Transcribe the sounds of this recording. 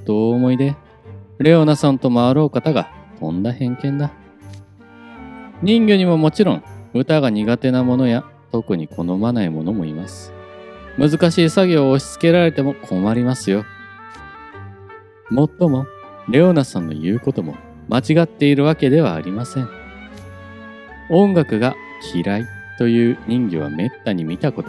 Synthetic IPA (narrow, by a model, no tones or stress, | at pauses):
d̪̥o̞ːmo̞id̪e̞ | ɾe̞o̞nasãnt̪o̞maaɾo̞ːkat̪aɡa̰k̪ʰõ̞nd̪ahẽ̞ŋkẽ̞nd̪a | ɲ̟ĩŋɡʲeɲ̟imo̞mo̞t͡ɕiɾõ̞ŋɯ̟t̪aɡaɲ̟iɡat̪e̞namo̞no̞ja | t̪o̞kɯ̟ɲ̟ikʰo̞no̞manaimo̞no̞mo̞ḭmasɨ̥mɯ̟zɨkaɕiːsaɡʲoːɕi̥t͡sɨ̥ke̞ɾaɾe̞t̪e̞mo̞kʰo̞maɾʲimasɨjo̞ | mo̞t̪ːo̞mo̞ | ɾe̞onasãnːo̞̰jɯ̟ːko̞t̪o̞mo̞̰ | mat͡ɕiɡat̪ːe̞iɾɯ̟βake̞d̪e̞βa̰ːɾʲimasẽ̞ɴ | õ̞ŋɡakɯ̟ɡa | kʲʰiɾait̪o̞jɯ̟ːɲ̟ĩŋɡʲiβ̞a̰me̞t̪ːaɲ̟imʲit̪ako̞t̪o